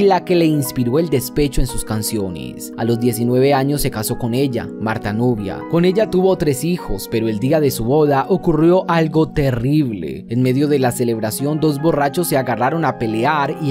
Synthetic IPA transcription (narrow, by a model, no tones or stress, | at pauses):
lake̞le̞inspiɾo̞e̞ld̪e̞spet͡ʃoe̞nsuskansjo̞nḛs | alo̞zd̪je̞sinwe̞β̞e̞aɲo̞sːe̞kaso̞ko̞ne̞ʝa̰maɾt̪anoβja̰ko̞ne̞ʝat̪uβo̞t̪ɾe̞sixo̞spe̞ɾo̞e̞ld̪iaðe̞suβo̞ðaʔo̞kurjo̞ʔalɡo̞t̪e̞riβlḛenme̞ðjo̞ðe̞lase̞le̞βɾasjo̞nd̪o̞zbo̞rat͡ʃo̞sːe̞aɣaraɾo̞nape̞le̞aɾi